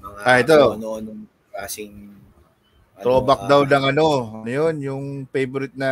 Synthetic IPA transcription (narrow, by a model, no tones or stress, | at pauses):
mɐaɛt̪ːonoɐno | kaːsɪŋ | ɾoːbɐk̚d̪awnɐŋɐno̞ɐnojonjʊŋfejbʊɾɪt̪̚nɐ